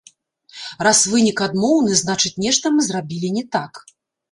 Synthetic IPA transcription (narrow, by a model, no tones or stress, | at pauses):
rasvɨnʲikad̪mɔwnɨznat͡ʂɨt͡sʲnʲɛʂt̪ɐmɨzrabʲilʲinʲɛt̪ak